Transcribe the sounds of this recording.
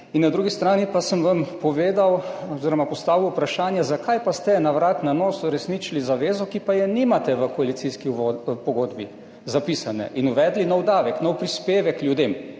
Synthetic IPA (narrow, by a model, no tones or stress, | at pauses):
inːad̪ɾuɡist̪ɾaːnipasəmʋampɔʋeːd̪awɔziɾɔmapɔst̪aːʋiwpɾaʃaːnjɛzakajpast̪ɛnaʋɾat̪nanoːsuɾɛsnit͡ʃilizaʋeːzɔkipajɛnimat̪ɛʋəkɔalit̪siskiʋopɔɡoːd̪bḭ | zapiːsanɛ̰ʔinuʋɛd̪linɔwd̪aːʋɛknɔwpɾispeːʋɛkːljud̪eːm